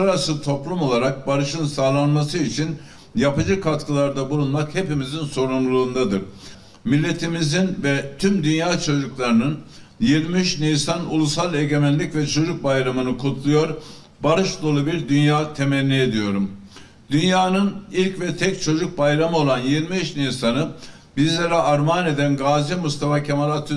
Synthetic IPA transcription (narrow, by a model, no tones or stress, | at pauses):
ɾasɯt̪ʰo̞plˠumo̞lˠaɾak̚baɾɯʃɯnsaːlˠanmasɯit͡ʃʰin | japɯd͡ʒɯkʰat̪kʰɯlˠaɾd̪abulˠunmakhe̞pimizinso̞ɾumlˠuːnd̪ad̪ɯɾ | milʲːe̞t̪ʰimizinvɛt̪ʰymd̪ynjaːt͡ʃʰo̞d͡ʒuklˠaɾɯnɯn | jiɾmiʃnijsanṵlˠusalˠe̞ɟe̞mɛnlʲicvɛt͡ʃʰo̞d͡ʒuk̚bajɾamɯnɯkʰut̪ʰlˠujo̞ɾ | baɾɯʃd̪ˠolˠubiɾd̪ynjaːt̪ʰe̞mɛnʲːie̞d̪ijo̞ɾum | d̪ynjaːnɯnilʲcvɛt̪ʰɛc̚t͡ʃʰo̞d͡ʒuk̚bajɾamɯo̞lˠanjiɾmiiʃnisanɯ | bizlʲeɾɛʔaɾmaːne̞d̪ænɡaːzimust̪ʰafacʰemalˠat̪ʰ